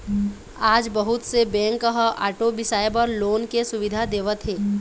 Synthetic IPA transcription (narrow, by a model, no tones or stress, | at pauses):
aːd͡ʒbəɦʊt̪sebɛ̃ːŋkəɦəʔaːʈobɪsaːepɐɾloːnkesʊʋɪd̪ʱad̪eːʋət̪ɦeː